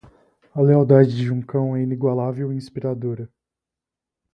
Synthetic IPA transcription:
ɐleawd̪ad͡ʒɪd͡ʒɪũkɐ̃w̃ɛiniɡwalavewĩspiɾad̪oɾɐ

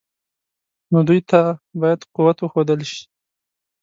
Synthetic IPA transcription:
nod̪ujt̪ʰabɑjad̪quwat̪wəxod̪əlʃi̥

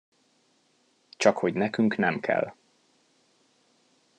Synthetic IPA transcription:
t͡ʃɒkho̞ɟnɛkyŋknɛmkʰɛ̰lː

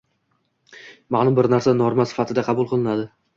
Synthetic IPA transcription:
manʊmbɪɾnaɾsanoɾmasɪ̥fat̪ʰɪd̪aqʰɑbuʊlˠqʰɨlˠɪnad̪ɪ

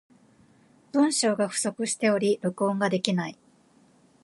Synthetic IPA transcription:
b̥ɯ̟̃ɰ̃ɕo̞ːɡaɸɯ̟̥so̞kɯ̟ɕi̥t̪e̞o̞ɾʲiɾɯ̟kõ̞ŋɡad̪e̞kʲinai

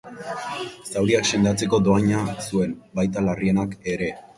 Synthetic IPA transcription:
sawɾiakse̞nd̪at͡se̞ko̞d̪o̞aɲasue̞nbajt̪alarie̞nake̞ɾe̞

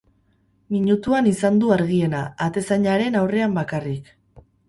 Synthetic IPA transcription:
miɲut̪uanisand̪uaɾɣ̞ie̞naːt̪e̞saɲaɾe̞nawre̞ambakarik

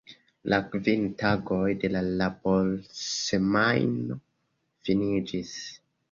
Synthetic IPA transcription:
lʔakvintaɡo̞jde̞lalabolsemajno | finid͡ʒis

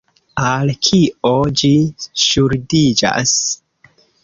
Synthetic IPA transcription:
alkʰiʔod͡ʒiʃuɾdid͡ʒa̰s

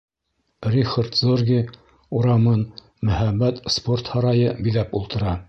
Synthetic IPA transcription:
rʲiχart̪zorɡʲi | uɾɑmɤn | mɵ̆hæmːæt̪sport̪hɑɾɑjɤbiðæpulˠt̪ɤ̆ɾɑ

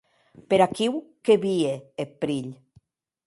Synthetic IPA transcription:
peɾakiwkeβieepɾiʎ

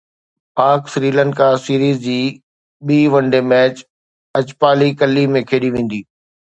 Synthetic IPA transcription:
paːɾksɾiːlə̃ɳɖkaːsiːɾiːzd͡ʑiː | ɓiːʋɐ̃ɳɖemɛːt͡ɕ | ɐt͡ɕpaːlikɐlːimẽkʰeːɗiʋẽːn̆d̪iː

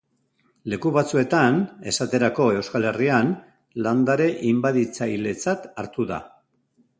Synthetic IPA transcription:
le̞kuβat͡sue̞t̪ane̞sat̪e̞ɾako̞e̞wskale̞rian | land̪aɾe̞ʔimbaðit͡sajle̞t͡sat̪aɾt̪uða̰

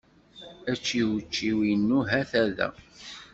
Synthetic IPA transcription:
æt͡ʃːiwət͡ʃːiwinːuɦæθæðæ̰

